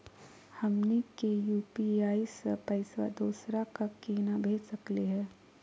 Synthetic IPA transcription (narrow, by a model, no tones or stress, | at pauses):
hɐmnikejuːpiaːispɐɪswa̰d̪oːsɾakakeːnabʱeːd͡ʒsɐkliɦɛː